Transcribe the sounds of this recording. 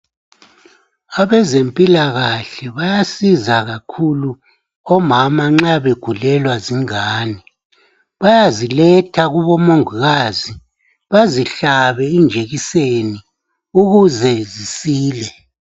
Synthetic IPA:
aβɛzempʼilaɣaɬɛβajasizaɣakʰulu | ɔmamaŋ͡ǁaβeɡ̥ʱulɛlwaziŋaːni | βajazilɛtʰaɣuβɔmoŋuɣaːzi | βaziɬaβɛind͡ʒʱeɣiseni | uɣuzɛzisiːlɛ

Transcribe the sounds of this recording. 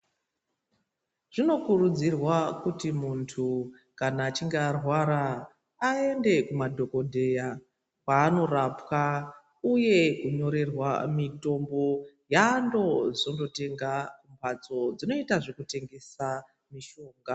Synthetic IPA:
ʐ̥ino̞kurud͡zirwakutimuntʰu | kanaːt͡ʃiŋɡeːrwaɾaː | e̞nde̞kumadʱo̞ko̞dʱe̞ja | kwaːno̞rapka | uje̞kuɲo̞ɾe̞rwamito̞mbo̞ | jando̞ʐondo̞te̞ŋɡakumbʱat͡so̞d͡zino̞itaʐe̞kute̞ŋɡe̞sa | miʃo̞ːŋɡa

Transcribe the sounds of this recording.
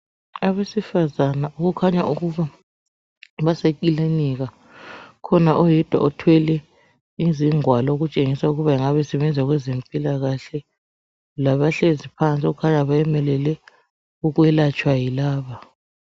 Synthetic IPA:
aβesifazanaʔuɣukʰaɲaʔuɣuβa | βasek̬ʼileniɣa | kʰɔnaʔɔjɛd̥ʱwa̰ɔtʰwɛlɛ | iziŋwalɔoɣut͡ʃʼeŋisauɣuβaiŋaβɛsɛβɛnd͡zʱaɣwɛzempʼilaɣaɬɛ | laβaɬezipʰant͡sʼiuɣukʰaɲaβajɛmɛlɛlɛ | uɣwɛlat͡ʃʼwajilaːβa

